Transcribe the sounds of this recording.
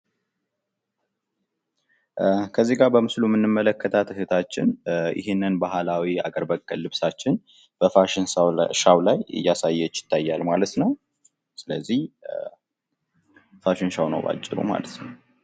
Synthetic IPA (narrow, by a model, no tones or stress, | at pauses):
kʰəzːiɡaɾbəmɨslumɨnːɨmːələkːət̪ʰat̪ʰɨɦɨt̪ʰat͡ʃːɪ̰nʔɪ̰ɦenːɨnbaɦalawia̰ɡəɾbəkʼːəlːɨβsat͡ʃːɪn | b̥əfaʃɪnʃawlajɨ̰jːasajːɛt͡ʃːɪ̥t̪ʰːajːalmalət̪nəw | sɨləzːih | faʃɪnʃawnə̰wba̰t͡ʃʼːɪɾṵma̰lət̪nəw